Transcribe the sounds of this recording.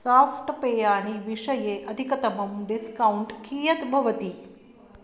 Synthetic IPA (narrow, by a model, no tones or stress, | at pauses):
safʈpejaɽ̃iʋiʂəjeʔəd̪ʱikət̪əməmɖiskauɳʈkiːjət̪bʱɐʋət̪iː